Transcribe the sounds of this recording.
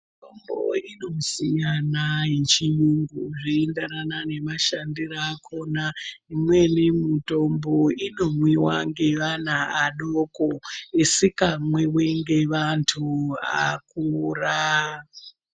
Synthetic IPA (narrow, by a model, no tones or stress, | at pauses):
mitombo̰ino̞sijanajet͡ʃijuŋɡuʐiendeɾanane̞maʃandiraːkʰo̞naimwe̞nemitomboino̞mwiwa̰ŋɡe̞ʋan̤aaɗokoisikamweweŋɡe̞ʋantʰua̰kura